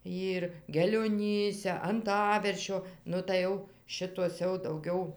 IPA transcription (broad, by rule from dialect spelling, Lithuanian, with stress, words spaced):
ˈiːr ɡʲɛlʲoːˈnʲiːsʲɛ ɐnˈtɑːʋʲɛrʲʃʲoː ˈnʊ tɐɪ ˈjɛʊ ˈʃʲɪtoːs jɛʊ dɐʊˈɡʲɛʊ